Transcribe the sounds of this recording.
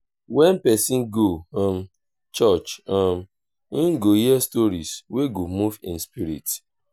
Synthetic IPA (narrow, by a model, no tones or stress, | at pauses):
wɛ̃npɛsĩnɡõm | t͡ʃɔt͡ʃɔ̃m | n̩ɡohiɛstɔɾisweɡomuvḭ̃nspiɾḭt